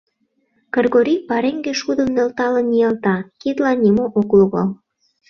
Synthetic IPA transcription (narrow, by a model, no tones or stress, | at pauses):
kerɣoɾipɑɾeŋɡeʃud̪ə̆mnølt̪ɑlə̆nːijɑlt̪ɑkid̪lɑnʲimoʔokluɣɑl